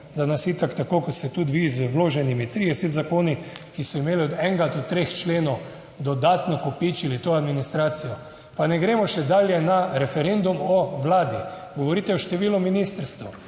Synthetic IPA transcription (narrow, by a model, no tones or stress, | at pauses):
d̪anasit̪akt̪akoːkɔt̪st̪ɛt̪ud̪ʋizwloːʒɛnimit̪ɾid̪ɛset̪zakoːnikisɔimeːliɔd̪ɛŋɡat̪ut̪ːɾext͡ʃleːnɔw | d̪ɔd̪aːt̪nɔkopit͡ʃilit̪oad̪minist̪ɾaːt̪sijɔ | panɛɡɾemɔʃɛd̪aːljɛnaɾɛfɛɾend̪umɔʋlaːd̪i | ɡɔʋɔɾiːt̪ɛɔʃt̪ɛʋiːlɔminist̪əɾst̪ɐw